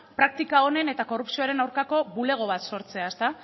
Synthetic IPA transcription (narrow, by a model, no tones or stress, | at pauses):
pɾak̚t̪ikao̞ne̞ne̞t̪ako̞rupsio̞aɾe̞nawɾkako̞βule̞ɣ̞o̞β̞at̪so̞ɾt͡se̞aest̪a